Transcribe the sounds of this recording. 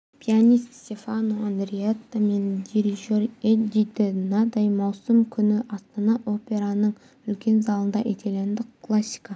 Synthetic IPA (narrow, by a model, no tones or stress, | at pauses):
pʲʰianʲist̪sʲt̪ʲe̞fanoand̪ɾiet̪ːame̞nd̪iɾiʒo̞ɾed̪id̪ɪnɑd̪ɑjmɑwsəmkʲʰʏnɪʔɑst̪ɑnɑʔo̞pʲe̞ɾanəɴ | ʏlkʲe̞nzɑlˠənd̪ɑʔet̪ʰelend̪ɪkʰlˠasʲːi̥ka